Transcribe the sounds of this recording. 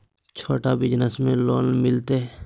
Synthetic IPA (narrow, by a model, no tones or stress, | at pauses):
t͡ʃʰoːʈaʋɪd͡ʒnəsmẽloːnmɪlt̪eɦɛ